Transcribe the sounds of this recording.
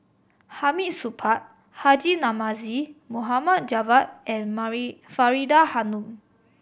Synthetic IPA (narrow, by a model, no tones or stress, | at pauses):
hamiʔsupʰat̪̚ | had͡ʒinamazimuɦamat̪̚d͡ʒawat̚ɛ̃nfaɹidahanũm